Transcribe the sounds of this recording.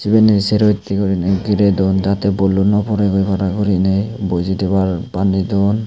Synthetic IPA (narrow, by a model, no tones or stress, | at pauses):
sibɛnisɛɾɔjt̪ːikɔɾinaɡiɾɛd̪ɔnd͡ʒat̪ɛbɔlunɔpɔɾɛkɔjkaɾakɔɾinajbɔjzid̪ɛbaɾbandidɔn